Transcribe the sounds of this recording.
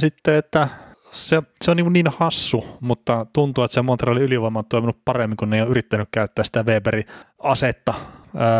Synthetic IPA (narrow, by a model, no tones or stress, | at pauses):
sit̪ːeet̪ːæ | seseoniːŋkunniːnhɑsːumut̪ːɑt̪unt̪uːet̪semont̪rɑːliyliʋoimɑnt̪ːoˑiminuppɑremːiŋkunːeijoːʔyrit̪ːænykkæyt̪ːæsi̥t̪æʋeːperiɑset̪ːɑəː